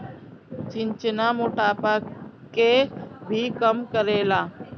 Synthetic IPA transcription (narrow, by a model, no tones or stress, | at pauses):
t͡ʃɪnt͡ʃnaːmoːʈaːpaːkebʱikəmkəɾeːlaː